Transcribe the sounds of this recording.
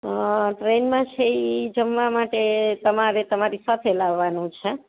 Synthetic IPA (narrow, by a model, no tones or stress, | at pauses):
ʈɾenmãt͡ʃʰeid͡ʒəmʋamaʈet̪əmaɾet̪əmaɾisat̪ʰelaʋːanũt͡ʃʰə